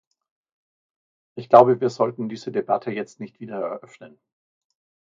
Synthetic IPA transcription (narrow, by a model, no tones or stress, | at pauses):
ʔɪçɡ̥laʊbəviːɐzɔltn̩diːzədebatʰəjɛt͡stnɪçtv̥iːdɐɛɐʔœfnən